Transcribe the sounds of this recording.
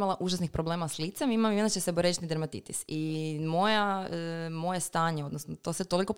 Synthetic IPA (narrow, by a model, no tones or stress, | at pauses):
alˠaʔuʒasnixpɾoble̞ːmaslˠit̪semimamiond̪at͡ɕeseboɾet͡ʃit̪nid̪eɾmat̪ḭt̪ḭsimo̞ja | mo̞jest̪aːɲeo̞d̪nosnot̪o̞set̪o̞liko̞